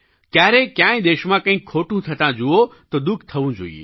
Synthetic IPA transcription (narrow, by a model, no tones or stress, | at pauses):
kjaːɾekjãːj̃d̪eːʃmãkɐ̃ɦĩkʰoːʈũt̪ʰɐt̪ãd͡ʒuot̪od̪ʊkʰt̪ʰɐʋũd͡ʒo̰ːḭḛ